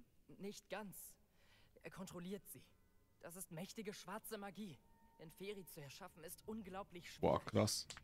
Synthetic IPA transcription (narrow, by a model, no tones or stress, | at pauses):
nɪçtɡ̥ant͡s | ʔɛɐkʰɔntʁ̥oliːɐtz̥ḭː | d̥as̬ɪstmɛçtɪɡəʃv̥aɐt͡səmaɡiːɪnfeːʁit͡suɛɐʃafn̩ɪstʔʊnɡlaʊplɪçʃa̰klas